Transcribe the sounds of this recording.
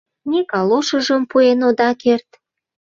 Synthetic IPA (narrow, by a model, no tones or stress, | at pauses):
nekɑloʃə̆ʒəmpuenod̪ɑkert̪